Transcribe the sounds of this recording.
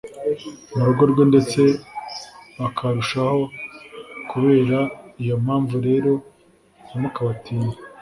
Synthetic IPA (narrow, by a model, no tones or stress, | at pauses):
muɾuɡo̞ɾɡo̞nde̞t͡se̞ | βakʰaɾuʃaho̞ | kuβe̞ːɾaijo̞mhaːɱvuɾe̞ːɾo̞ | amukaβatiːnda